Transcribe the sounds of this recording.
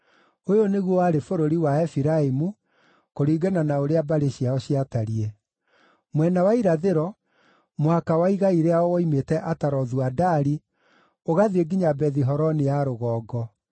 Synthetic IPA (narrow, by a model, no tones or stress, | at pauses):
ojoneɣwɔwaɾefoɾoɾiwaɛfiɾaemu | koɾiːɡananaoɾeabaɾeɕiaɔɕiataɾie | mwɛnawaiɾaðeɾɔ | mohakawaiɣaiɾeaɔwɔimetɛʔataɾɔðuadaɾi | oɣaðieɡiɲabɛðiɦɔɾɔnejaɾoɣɔːɡɔ